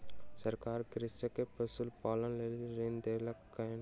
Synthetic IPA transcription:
səɾkaːɾɡɾɪsəkepəsʊlpaːlənlelɾeːnd̪eːləkː | ən

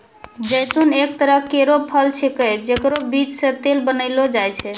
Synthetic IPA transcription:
d͡ʒəjt̪unek̚t̪əɾəkeɾopʰəlt͡ʃʰikəd͡ʒekɾobit͡ʃsẽt̪elbənəɪlod͡ʒajt͡ʃʰɛ

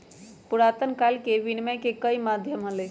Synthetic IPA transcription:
puɾat̪ənkalkeʋinməjkekəimad̪ʱjəmɦəle

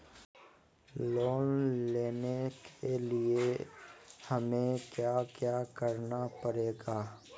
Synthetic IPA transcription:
loːnleːnekʰelie | həmẽkjaːkjaːkəɾnapəɾeːɡaː

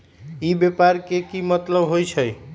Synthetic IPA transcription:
ibjepaɾkekimət̪ləbɦojt͡ʃʰəj

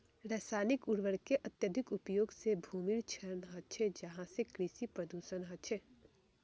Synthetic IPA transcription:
ɾɛːsaːnɪkʊɽʋəɽkeʔɐt̪jəd̪ʱɪkʊpjoːɡsebʱuːmiɾt͡ʃʰəɾnɦət͡ʃʰed͡ʒɐɦãsekɾɪsipɾəd̪uʃənɦət͡ʃʰe

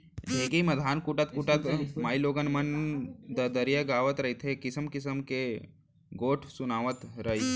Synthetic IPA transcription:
neɡejmɐd̪ʱaːnkuʈɐt̪̚kuʈɐt̪maːjloːɡənmɐnd̪əd̪əɾjəɡaːʋət̪ɾəjt̪ʰekisəmkisəmke | ɡoːʈʰsunaːʋət̪ɾəj

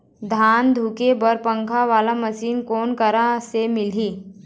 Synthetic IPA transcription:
d̪ʱaːnd̪ʱukebəɾpə̃ŋkʰaʋaːlaməsiːnkoːnkəɾasemɪliː

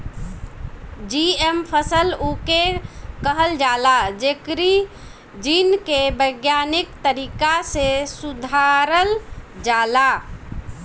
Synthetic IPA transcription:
d͡ʒiempʰəsəlukekəɦəld͡ʒalad͡ʒekɾi | d͡ʒinkebəɡjanikt̪əɾikasesud̪ʱaɾəld͡ʒala

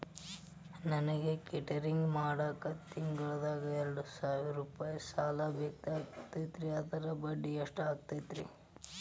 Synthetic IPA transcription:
nɐnɐɡekiʈɐɾiŋɡmaːɽaːkɐt̪iŋɡɐɭd̪aːɡɐɛɾɐɽusaːʋiɐɾuːpaːjɐsaːlɐbjɐk̚t̪iaːkt̪ɐjt̪ɾiɐd̪ɐɾɐbɐɖːiɐʂʈaːɡ̚t̪ɐjt̪ɾḭ

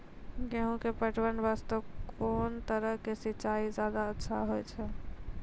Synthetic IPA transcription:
ɡɛɦũkepəʈʰwənʋast̪əkʰoːnt̪əɾəɦkesiːt͡ʃaid͡ʒjad̪aətːʃʰaɦojt͡ʃʰɛ

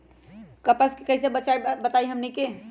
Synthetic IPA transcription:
kəpəskekəɦsebət͡ʃaibət̪aiɦəmnike

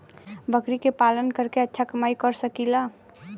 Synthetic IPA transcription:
bəkɾikepalənkəɾkeətːʃʰakəmaːikəɾsəkila

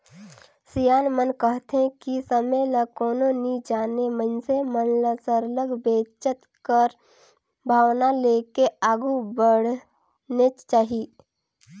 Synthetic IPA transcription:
sijaːnmənkəɦt̪ɦẽkisəmeləkoːnonid͡ʒaːnemə̃nsemənləsəɾləɡbeːt͡ʃət̪kəɾ | bʱaːwnaleːkeaːɡubəɽ̤ | net͡ʃaːɦi

